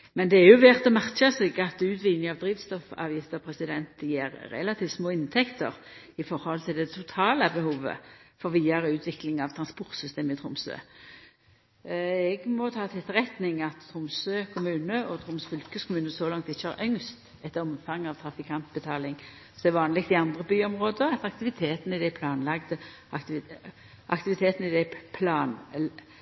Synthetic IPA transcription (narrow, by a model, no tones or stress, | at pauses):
mɛnd̪ɛæʁjʊʋɛːʁt̪ɔmæʁʃəsɛɡɑt̪ʉːt̪ʋiːd̪nɪŋɑʋd̪ɾiːʋst̪ɔfɑ̰ːʋjɪft̪əʁɔpʰɾɛsɪd̪ɛnt̪jeːɾːɛ̰lɑt̪ʰiːft̪smoːɪnt̪ʰɛkt̪ə̰ʁ | ɪfɔʁhɔlt̪ʰɪld̪ɛt̪ʰʊt̪ʰɑːləbɛhuːʋə̰fɔʁʋiːɑɾəʉːt̪ʰʋɪklɪŋɑʋt̪ʰɾɑnspʊʁt̪sʏst̪eːməɪt̪ʰʁʊmsø̰ː | ɛɡmɔt̪ʰɑːt̪ʰɪt̪ʰːʁɛt̪nɪŋɑt̪t̪ʰːɾʊmsøːkʰʊmʉːnəɔt̪ʰɾʁʊmsfʏlkəskʰʊmʉːnəsɔlɑŋk̚t̪ɪçːəhɑ̰ɾʔœŋst̪ | ɛt̪ːəɾɔmfɑŋːɑʋt̪ʰɾɑfɪkʰɑnt̪̚bət̪ʰɑːlɪŋ | sɛʋɑːnlɪɡ̚t̪ɪɑnd̪ʁəbyːɔmʁoːd̪əɑt̪ɑkt̪ɪʋɪt̪ʰeːt̪n̩ɪd̪æpʰlɑːnlɑɡd̪ə | ʔɑ̰kt̪ɪʋɪt̪ʰeːt̪n̩ɪd̪ɛpʰlɑːn